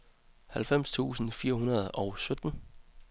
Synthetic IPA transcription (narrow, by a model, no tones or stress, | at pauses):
hælfem̰st͡sʰṵːsn̩fiːɐ̰ɦunɐð̞ˠʔɒ̽ʊsød̥n̩